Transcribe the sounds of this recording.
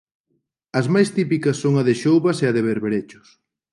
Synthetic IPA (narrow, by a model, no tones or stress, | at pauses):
ɐzmajst̪ipikɐsːoŋɐðɪʃowβɐseɐðeβeɾβeɾet͡ʃʊ̥s